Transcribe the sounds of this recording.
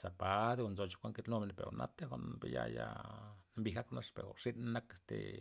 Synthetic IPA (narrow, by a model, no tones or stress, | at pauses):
sapad̪eonzot͡ʃi̥kʷaŋket̪nomenpeɾonʔat̪exʷaʔnpejaja | mbixaknaʂpeɾoʂinnakest̪ḛ